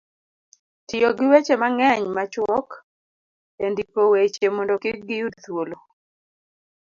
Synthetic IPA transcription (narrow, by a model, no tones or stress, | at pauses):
tɪjɔɡɪwet͡ʃemaŋɛɲmat͡ʃwɔk | endikowet͡ʃemɔndɔkɪk̚ɡɪjudt̪wolo